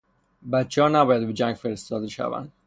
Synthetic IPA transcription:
bæt̪t͡ʃʰehɒːnæbɒːjæd̪bed͡ʒæŋɡfeɾest̪ɒːd̪eʃæ̰væ̰nd̪

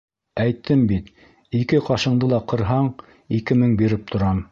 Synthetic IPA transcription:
æjt̪ʰːɘmbit̪ | ikɘqɑʃɤ̆ɴd̪ɤlˠɑqɤ̆ɾɦɑɴ | ikɘmɘŋbiɾɘp̚t̪ʰŏɾɑm

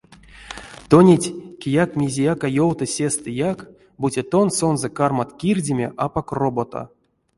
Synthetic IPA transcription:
t̪onʲetʲkʲejakmʲizʲijakajowt̪ɨsʲest̪ɨjak | butʲet̪o̞nso̞nzɛkarmat̪kʲirʲdʲemʲḛʔapakrobot̪o̰

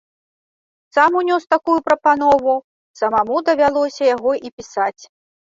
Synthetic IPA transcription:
samunʲɔst̪akujupɾɐpanɔvu | sɐmamud̪ɐvʲalˠɔsʲɐjaɣɔʔipʲisat͡sʲ

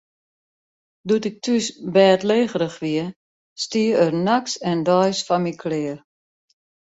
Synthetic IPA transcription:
dutɪk̚tʰysbɛːtleːɣəɾəxʋiə | stiəərnaksɛndɔjsfamikʰlɪər

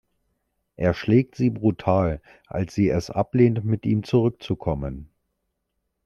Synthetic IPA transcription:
ʔeːɐʃlɛːk̚tz̥iːbʁutʰaːl | ʔa̰lsz̥iːɛsʔa̰pleːntmɪtʔiːmt͡suʁʏk̚t͡sukʰɔmən

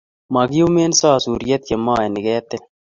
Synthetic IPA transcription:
mɐɡiumeːnsaːsuːɾijɐt̪jemaːeniɡeːt̪en

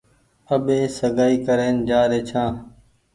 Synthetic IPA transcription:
əɓeːsəɡaːiːkəɾeːnd͡ʒaːɾeːt͡ʃʰãː

